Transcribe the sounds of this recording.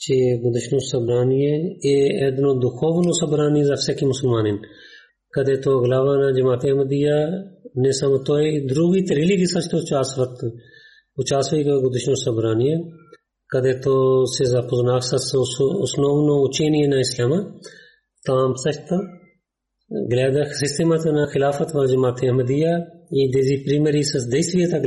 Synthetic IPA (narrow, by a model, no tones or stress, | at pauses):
t͡ʃeɡʊd̪ɪʃnoːsɐbɾaːnijeeːed̪nõːd̪ʊkʰoːʋnosɐbɾaːnizɐfsekimʊsəlmaːnen | kɐd̪eːt̪oːɐɡlaːʋaːnaːd͡ʒɐmaːt̪eːɐmɐd̪ijaːnesamɐt̪oːed̪ʊɾuːɡiːt̪ɐɾiliːkisɐt͡ʃʰt̪ot͡ʃaːsʋɐt̪ | ʊt͡ʃaːsʋɐikoɡʊd̪ɪʃnoːsɐbɾaːnijẽː | kɐd̪eːt̪oːsezapʊznaːksɐssʊ̰snoːɡnõʊt͡ʃeːnijẽnãːɪslaːmaː | t̪aːmsɐt͡ʃʰt̪a | ɡlɛːd̪asɪst̪emaːt̪ʰanaːxɪlaːfət̪ʋãːd͡ʒəmaːt̪eːɐməd̪ijaːiːd̪eːziːpɾiːməɾisɐd̪esʋijat̪a